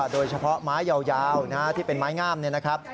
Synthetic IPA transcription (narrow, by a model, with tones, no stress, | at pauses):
doː˧jt͡ɕʰa˧pʰɔ˦˥maː˦˥jːa˧wjaː˧wna˦˥t̪ʰiː˥˩pe˧nmaː˦˥jŋaː˥˩mni˥˩ɐna˦˥kʰɾa˦˥p̚